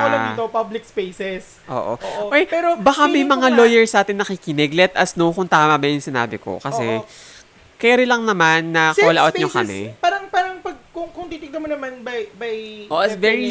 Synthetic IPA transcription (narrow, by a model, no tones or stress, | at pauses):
oɐdd̪iːt̪opablɪk̚spejsɛs | ʔo̰ːʔo̰ʔoʔojpɛːɾobɐkamɐjmɐŋalojɛɹsnaːt̪ɪnːɐkikɪnɪɡlɛt̪ɐsnowkʊŋt̪aːmɐbɐjʊŋsɪna̰ːbɪko̰kɐsɛ | kɛɾɪlɐŋnɐmanːɐkla̰ʔot̪ɲokɐ̰mɛ̰paːɾɐŋpaːɾɐŋpɐɡ̚kʊŋkʊŋt̪iːt̪ɪɡ̪̚ɐmonɐmanbɐjbɐjʔoʔɪsvɛɹi